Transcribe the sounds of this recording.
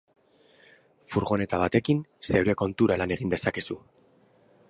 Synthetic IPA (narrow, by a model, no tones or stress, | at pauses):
fuɾɣo̞ne̞t̪aβ̞at̪e̞kinse̞wɾe̞ko̞nt̪uɾalane̞ɣ̞ind̪e̞sake̞su